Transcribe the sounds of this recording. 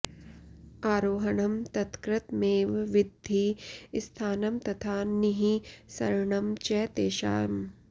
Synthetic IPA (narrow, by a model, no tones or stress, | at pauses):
aːɾoːɦɐɳɐmt̪ɐt̪kɾɪt̪meːʋʋɪd̪ʱːist̪ʰaːnɐmt̪ɐt̪ʰaːniɦisɐɾɳɐmt͡ʃɛːt̪eːʃa̰ːjɐm